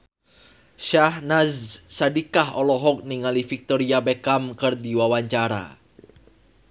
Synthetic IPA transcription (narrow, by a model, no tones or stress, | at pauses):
ʃahnazsadikaɦɔlɔɦɔk̚niŋalifik̚t̪ɔɾiabɛkamkɨrdiwawaɲt͡ʃaɾa̰